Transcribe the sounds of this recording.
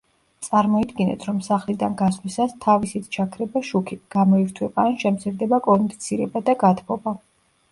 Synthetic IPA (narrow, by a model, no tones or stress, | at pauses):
t̪sʼaɾmɔid̪ɡinɛ̰t̪ʰɾɔmsaχlid̪anɡaslisast̪ʰavisit̪ʰt͡ʃʰakʰɾɛbaʃukʰiɡ̥amɔiɾt̪ʰwɛbanʃɛmp̪sʰiɾd̪ɛbakʼɔnd̪it̪sʰiɾɛbad̪aɡat̪ʰpʰɔba